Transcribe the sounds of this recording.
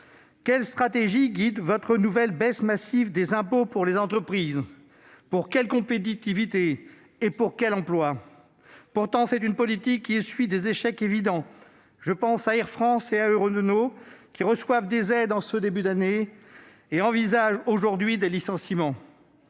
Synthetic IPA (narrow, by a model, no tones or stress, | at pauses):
kʲɛlst̪χat̪eʒiɡʲid̪vɔt̪χənuvɛlbɛsmasivd̪ezɛ̃popuʁlezɑ̃t̪χəpχiz | puʁkʲɛlkɔ̃pet̪̬it̪ivit̪eː | puʁkʲɛlɑ̃plwa | puʁt̪ɑ̃sɛt̪ynpɔlit̪ikʲːiesɥid̪ezeʃɛkevid̪ɑ̃ | ʒəpɑ̃saiʁfχɑ̃seaøʁnokʲiʁəswavd̪ezɛd̪ɑ̃səd̪ebyd̪ane | eɑ̃vizaʒoʒuʁd̪ɥid̪elisɑ̃simɑ̃